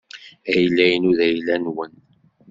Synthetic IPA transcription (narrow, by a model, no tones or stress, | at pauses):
æjlːæjənuðæjlænwən